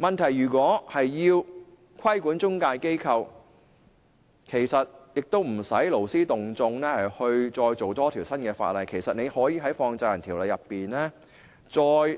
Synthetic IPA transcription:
mɐ˨˩nt̪ʰɐ˨˩jɥyː˨˩kʷɔː˨˥hɐ˨jːiː˧w | kʰɐ˥jkuː˨˥nt͡sʊ˥ŋkaː˧jke˥jkʰɐ˧w | kʰe˨˩jsɐ˨t̚jɪ˨k̚t̪o˥wm̩˨˩sɐ˨˥jlo˨˩wsiː˥t̪ʊ˨ŋt͡sʊ˧ŋnɛː˥hɐ˨˩jhɵ˧ɥt͡sɔː˧jt͡so˨wt̪ɔː˥t̪ʰiː˨˩wsɐ˥nkɛː˧fa̰ː˧t̚lɐ˨jkʰe˨˩jsɐ˨t̚ne˨˧jhɔː˨˥jiː˧ɦɐ˨˥jfɔː˧ŋt͡sɐ˧jɐ˨˩nt̪ʰiː˨˩wlɐ˨˧jɐ˨pːiː˨nlɛː˥ | t͡sɔː˧j

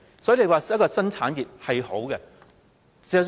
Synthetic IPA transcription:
sɔː˨˦˥i˨˧le˧jwaː˨j̚kɔː˧sɐ˥nt͡sʰaː˨˥njiː˨p̚hɐ˨jho˨˥wɡɛ˧ | si˨˧˨

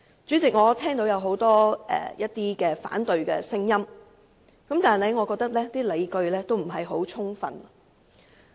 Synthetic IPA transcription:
t͡ʃyː˨˥t͡sɪ˨k̚ŋɔː˨˧t̪ʰɛː˥ŋt̪o˨˥wjɐ˨˧wɦo˨˥wt̪ɔː˥ɛ̰ː˨˩jɐ˥t̚t̪iː˥kɛː˧fa̰ː˨˥nt̪ɵ˨ɥkɛ̰ː˧sɪ˥ŋjɐ˥m | kɐ˨˥mt̪aː˨˩nhɐ˨jŋɔː˨˧kɔː˧k̚t̪ɐ˥k̚lɛː˥t̪iː˥le˨˧jkɵ˧ɥlɛː˥t̪o˥wm̩˨˩ɦɐ˨jɦo˨˥wt͡sʰʊ˥ŋfɐ̰˨˧n˨

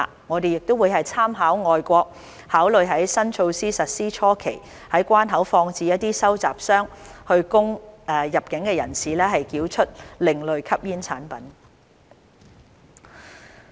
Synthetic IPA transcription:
ŋɔː˨˧t̪e˨jɪ˨k̚t̪o˥wu˨˧jhɐ˨jt͡sʰaː˥mɦaː˨˥wŋɔː˨jkʷɔː˧k̚ | haː˨˥wlɵ˨ɥɦɐ˨˥jsɐ˥nt͡ʃʰo˧wsiː˥sɐ˨t̚siː˥t͡ʃʰɔː˥kʰe˨˩j | hɐ˨˥jkʷaː˥nɦɐ˨˥wfɔː˧ŋt͡siː˧jɐ˥t̚t̪iː˥sɐ˥wt͡sa̰ː˨p̚sœː˥ŋ | hɵ˧ɥkʊ˥ŋɛ˨˧jɐ˨p̚kɪ˨˥ŋkɛː˧jɐ̰˨˩nsiː˨lɛː˥ɦɐ˨jkiː˨˥wt͡ʃʰɵ˥t̚lɪ˨ŋlɵ˨ɥkʰɐ˥p̚jiː˥nt͡sʰaː˨˥npɐ˨˥n

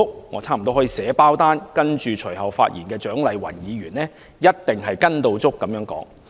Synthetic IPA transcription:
k̚ŋɔ̰ː˨˧t͡sʰaː˥m̩˨˩t̪o˧whɔː˨˥jiː˧sɛː˨˥paː˥wt̪aː˥nkɐ˥nt͡ʃyː˨t͡ʃʰɵ˨˩jɦɐ˨wfa̰ː˧t̚jiː˨˩nkɛː˧t͡ʃœː˨˥ŋlɐ˨˧jwɐ̰˨˩njiː˨˧ɥyː˨˩nɛː˥ | jɐ˥t̚t̪ɪ˨ŋɦɐ˨jkɐ˥nt̪o˧wt͡sʊ˥kːɐ˨˧mjœː˨˥ŋkɔ̰ː˨˥ŋ

